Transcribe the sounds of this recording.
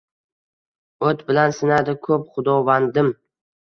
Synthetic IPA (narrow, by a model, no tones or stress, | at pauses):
ɵt̪bɪlansɪnad̪ɪkʰɵp̚χʊd̪ɒvand̪ɪm